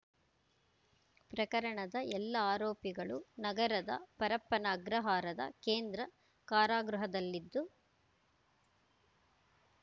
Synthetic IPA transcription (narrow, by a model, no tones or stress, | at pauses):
pɾɐkɐɾɐɳɐd̪ɐʔɛlːɐaːɾoːpiɡɐɭunɐɡɐɾɐd̪ɐ̰pɐɾɐpːɐnaɡɾɐɦaːɾɐd̪ɐ̰keːnd̪ɾɐ | kaːɾaːɡɾuɦɐd̪ɐlːid̪ːu